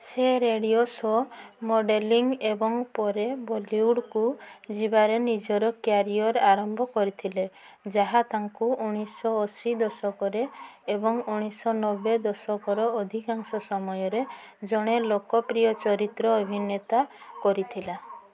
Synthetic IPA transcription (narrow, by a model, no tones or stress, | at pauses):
seɾeɽiosɔmoɖeliŋɡebɔŋpɔɾebɔliuɽkud͡ʒibaɾenid͡ʒɔɾɔkjaɾiɔɾaɾɔmbʱɔkɔɾit̪ʰile | d͡ʒaɦat̪aŋkuuɽ̃isɔːsid̪ɔsɔkɔɾeːbɔŋuɽ̃isɔnɔbed̪ɔsɔkɔɾɔːd̪ʱikaŋsɔsɔmɔjɔɾed͡ʒɔɽ̃elokɔpɾijɔt͡ʃɔɾit̪ɾɔːbʱinet̪akɔɾit̪ʰila